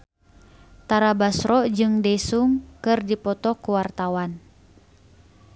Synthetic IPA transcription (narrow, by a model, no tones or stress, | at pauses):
t̪aɾabasɾɔd͡ʒɨŋdɛsuŋkɨrdipɔt̪ɔkuwart̪awan